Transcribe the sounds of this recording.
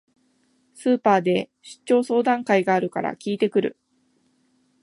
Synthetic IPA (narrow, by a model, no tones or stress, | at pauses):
sɨːpaːd̪e̞ | ɕi̥t͡ɕːo̞ːso̞ːd̪ãŋkaiɡaːɾɯ̟kaɾa̰kʲiːt̪e̞kɯ̟ɾɯ̟̰